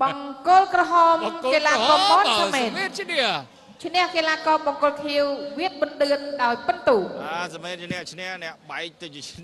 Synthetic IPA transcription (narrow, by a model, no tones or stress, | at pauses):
ɓɑŋkʊlkrɔɦɑːmkeːlaːkɔːpɔːsameːt̪et̪̚niə | t͡ɕʰnɛ̆əhkeːlaːkɔːɓɑŋkʊlkʰiəwʋiət̪̚ɓɨnɗɨənɗaɔjpɨnt̪uːʔaːsameːt̪̚t͡ɕnɛ̆əht͡ɕʰnɛəhnɛ̆əʔɓaɛk̚t̪ɨwt͡ɕiət͡ɕʰn